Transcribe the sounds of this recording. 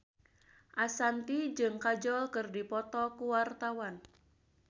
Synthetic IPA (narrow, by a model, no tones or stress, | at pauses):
ʔasant̪id͡ʒɨŋkad͡ʒɔlkɨrdipɔt̪ɔkuwart̪awan